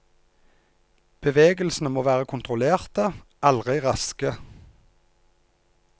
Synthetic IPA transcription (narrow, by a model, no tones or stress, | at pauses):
b̥əʋeːɡəlsn̩əmoːʋæːʁəkʰʊnt̪ʁʊleːʁt̪əʔɑlʁɪʁɑskə